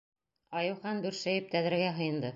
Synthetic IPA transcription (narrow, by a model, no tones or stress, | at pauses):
ɑjɤ̆wχɑnb̪ʉɾʃæjɘp̚t̪æðɘɾɡæɦɤ̆jɤ̆nd̪ɤ